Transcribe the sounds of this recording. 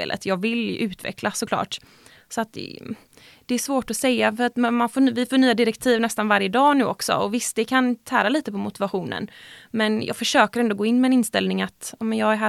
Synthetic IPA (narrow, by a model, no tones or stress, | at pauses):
ḛːlʔə̰t̪ʰjɑːɡvɪlʔʉ̟ːt̪vɛ̰kʰlasɔklɑ̰ːʈ | sɔat̪̚d̪ɛ̰ | d̪̥ɛːʂvoːʈɔsɛjːafœɾat̪mmanfoːvɪfoːɳyːad̪ɪɾɛkt̪ʰiːvnɛst̪anvaɾjəd̪ɑːnʉ̟ːɔksɔ̰ɔvɪst̪ɛkʰant̪ʰæːɾaliːt̪əpʰɔmʊt̪ɪvaɧuːnə̰nmɛnjʔɑ̰ːɡfœʂøːkəɾɛnd̪oɡoːɪnːmɛːnɪnst̪ɛlnɪŋat̪ɑmɛnjɑːɡæɦæː